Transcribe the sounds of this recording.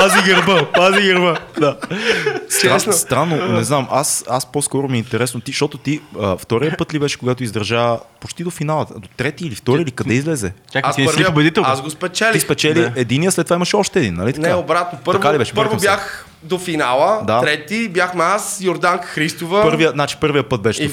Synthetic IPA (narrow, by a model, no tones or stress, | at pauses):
paziɡəɾbəpaziɡəɾbəd̪a | saɛsnst̪ɾanːonɛznamasaspɔskɔɾomiint̪ɛɾɛsnot̪iʃt̪ɔt̪ot̪iəft̪ɔɾijəpɤt̪libɛʃɛ̥koɡat̪oizd̪ɾɐʒapot͡ʃt̪id̪ofinalˠəd̪ot̪ɾɛt̪iːlift̪ɔɾilikɐd̪ɛizlɛzɛakapəɾviobɛd̪it̪ɛlˠasɡospɛt͡ʃɛliisxpɛt͡ʃɛliɛd̪inijəslɛt̪ːovaimɐʃɛɔʃt̪ɛːd̪inːɐ̰lit̪ɐ̥kaobɾat̪nopəɾɐvkalibɛʃɛpɤɾvobjax | d̪ofinalˠəd̪aɾɛt̪ibjaxnɐasjoɾd̪aŋkə̥xɾist̪ovəpɤɾvijənat͡ʃi̥pɤɾvijəpət̪̚bɛʃɛ